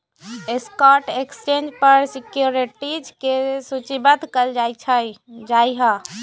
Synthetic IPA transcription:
eskɔʈekst͡ʃend͡ʒpəɾsikjuɾiʈid͡ʒkesut͡ʃibət̪kəld͡ʒajt͡ʃʰəd͡ʒaiɦə̃

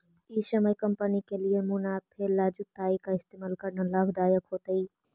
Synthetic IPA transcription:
iːsɐməjkɐmpənikeliemunaːpʰeɾlaːd͡ʒut̪ːaːikaɪst̪eːmaːlkɐɾnalabʱd̪aːjəkɦoːt̪əiː

